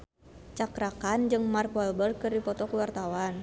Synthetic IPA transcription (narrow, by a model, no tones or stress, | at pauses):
t͡ʃakɾakand͡ʒɨŋmarkɔɛlbərkɨrdipɔt̪ɔkuwart̪awan